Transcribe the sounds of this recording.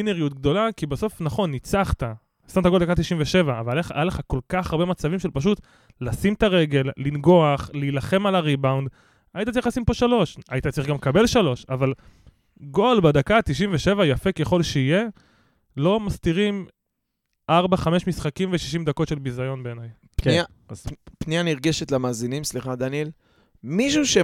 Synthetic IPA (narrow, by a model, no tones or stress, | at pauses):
ineʁijut̪ɡ̚d̪o̞lakibeso̞fnaχo̞nːit͡saχt̪a | stamt̪aɡold̪akat̪̬iʃimveʃe̞vaːvaleχaaleχako̞lkaχaʁbe̞mat͡savimʃelpaʃ̬ut̪ | lasimt̪aʁe̞ɡe̞lːinɡo̞aχlilaχe̞malaʁibawnd | ajitat͡saʁiχlasimpo̞ʃalo̞ʃait̪att͡saʁiχɡamkabe̞lʃalo̞ʃaval | ɡo̞lbad̪akat̪iʃ̬imveʃe̞vajafe̞ke̞χo̞lʃeije̞ | lo̞mast̪iʁim | ʔaʁbaχame̞ʃmisχakimveʃiʃimd̪ako̞tʃe̞lbizajo̞nbe̞ːnaj | pnia | azpnijaniʁɡeʃet̪lamaːzinimsliχad̪anjel | miʃuʃe